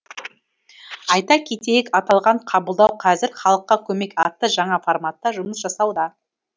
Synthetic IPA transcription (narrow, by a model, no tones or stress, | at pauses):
ɑjt̪ɑkʲʰe̞t̪ejɪkɑt̪ɑlˠʁɑɴqʰɑbəlˠd̪ɑwqʰɑzɪɾχɑlˠəqːɑkʲʰɵme̞kɑt̪ːəʒɑɴɑformat̪ːɑʒʊməsʒɑsɑwd̪ɑ